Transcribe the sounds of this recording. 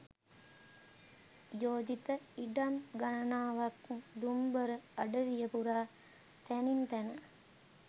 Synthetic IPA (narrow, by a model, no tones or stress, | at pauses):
joːd͡ʒit̪əiɖamɡanɐnaːʋakd̪umbəɾəɐɖəʋijəpuɾaː | t̪ænint̪ænə